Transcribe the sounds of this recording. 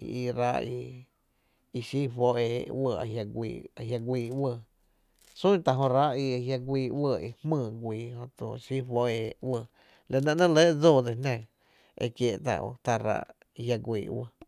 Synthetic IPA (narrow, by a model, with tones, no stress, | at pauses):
ḭ˧i˧ɾa˧ʔi˧ | i˧ʃi˦fo˧ʔeː˧˨wə˧˨a̰˨ɦja˧ɡʷḭː˧˨a˧ɦja˧ɡʷiː˧˨wə˧˨ | sũ˦t̪a˨ɦõ˧ɾa˦ʔi˧a˧ɦja˧ɡʷiː˧˨wə˧˨ḭ˧hmɨ̃ː˧˨ɡʷiː˨hõ˧t͡so̰˧˨ʃi˦fwo˧ʔe˧˨wə˧˨ | la˧nã˧ʔnə̃˦le˦d͡zoː˦˨d̪e˨nã˧˨ | ḛ˧˨kje˧˨ʔt̪a̰˧˨ʔo̰˧˨t̪a˧ɾa̰˧˦ʔ | i˧hja˧ɡʷḭː˨wə̰˧˨